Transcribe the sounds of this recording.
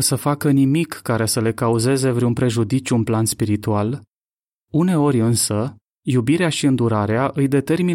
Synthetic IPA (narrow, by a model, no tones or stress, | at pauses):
səfakənimikːaɾe̞səle̞kauze̞ze̞vɾeunpɾe̞ʒud̪it͡ʃʲuunplanspiɾit̪ual | une̞o̞ɾʲɨnsə | jubiɾeaʃiɨnd̪uɾaɾeaʔɨjd̪e̞t̪e̞rmi